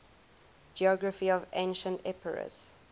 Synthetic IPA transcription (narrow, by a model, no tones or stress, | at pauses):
d͡ʒiɔɡɹəfiɔvḛ̃ɪ̃nʃə̃ntɛpəɹə̰s